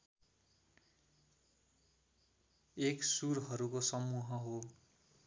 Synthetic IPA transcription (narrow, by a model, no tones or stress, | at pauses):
eksuɾɦʌɾukosʌmuɦʌɦo